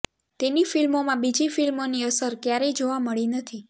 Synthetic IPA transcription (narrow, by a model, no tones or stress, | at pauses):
t̪enifilmomãbid͡ʒifilmoniəsəɾkjaɾed͡ʒoʋaməɭinət̪ʰi